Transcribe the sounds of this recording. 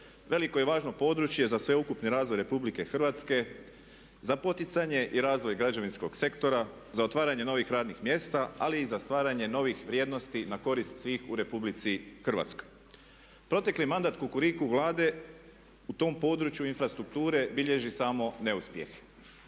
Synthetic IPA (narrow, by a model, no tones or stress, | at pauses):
ʋe̞liko̞jeʋaːʒnopo̞ːd̪ɾut͡ʃje̞zasʋe̞ukupniɾaːzʋo̞jɾe̞publike̞xr̩ʋat̪ske̞ | zapo̞t̪it̪saɲe̞ʔiɾaːzʋojɡɾad͡ʒaʋinsko̞ɡse̞kt̪o̞ɾa | zaot̪ʋaːɾaɲe̞no̞ʋixɾaːd̪nixmje̞ːst̪aaliːzast̪ʋaːɾaɲe̞no̞ʋixʋɾʲjed̪no̞st̪inako̞ɾist̪sʋiːxuɾe̞publit̪sixr̩ʋa̰t̪sko̞̥j | pɾo̞t̪e̞klimand̪at̪kukuɾikuʋlˠaːd̪e̞ | ut̪o̞ːmpo̞ːd̪ɾut͡ʃjuinfɾast̪ɾuk̚t̪uːɾe̞biʎe̞ʒisaːmo̞ne̞uspjḛx